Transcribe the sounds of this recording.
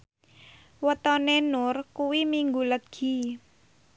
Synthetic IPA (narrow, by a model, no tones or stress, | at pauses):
wət̪ɔnenʊrkuwimiŋɡuləɡ̥i̤